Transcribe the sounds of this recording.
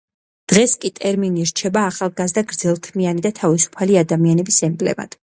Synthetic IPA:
d̪̥ʁɛskʼit̪ʼɛɾminiɾt͡ʃʰɛbaːχalˠɡazd̪aɡɾd̪zɛlˠt̪ʰmianid̪at̪ʰavisu̥pʰaliad̪amianɛbisɛmbʼlɛ̰ma̰d̪̥

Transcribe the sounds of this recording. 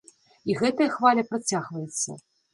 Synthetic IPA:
iɣɛt̪ɐjɐxvalʲɐpɾat͡sʲaɣvɐjɛt̪sːɐ̰

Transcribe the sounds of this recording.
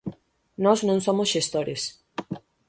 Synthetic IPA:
nɔznõŋsomʊsʃest̪oɾes

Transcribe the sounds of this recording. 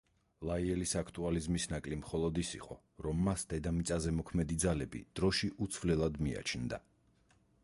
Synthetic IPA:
lˠaiɛlisakʰt̪ʼualizmisnakʼlimχɔlˠɔd̪isḭqʼɔ̰ | ɾɔmːasd̪̥ɛd̪amit̪sʼazɛmɔkʰmɛd̪id̪zalɛbḭd̪̥ɾɔʃiʔut̪sʰvlɛlˠad̪mia̰t͡ʃʰnd̪a̰

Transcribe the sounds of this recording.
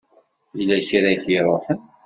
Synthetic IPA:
jlæçiɾæjθiɾˤoħən

